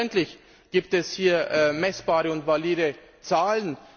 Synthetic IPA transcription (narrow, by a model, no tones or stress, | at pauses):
ɛntlɪç | ɡ̥iːp̚tɛshiːɐʔmɛsb̥aːʁəʊntvaliːdə | t͡saːlən